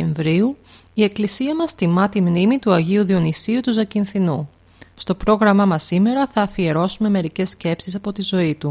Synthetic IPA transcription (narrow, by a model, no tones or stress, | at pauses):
eɱvɾiu | ie̞klisiɐmɐst̪imɐt̪imnimit̪uɐʝiuðio̞nisiut̪uzɐcinθinu | st̪o̞pɾo̞ɣɾɐmɐmɐsːime̞ɾɐθɐːfie̞ɾo̞sume̞me̞ɾice̞sce̞psisɐpo̞t̪izo̞it̪u